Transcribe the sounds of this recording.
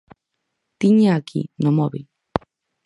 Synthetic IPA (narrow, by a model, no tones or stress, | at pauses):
t̪iɲakḭnomɔβḭ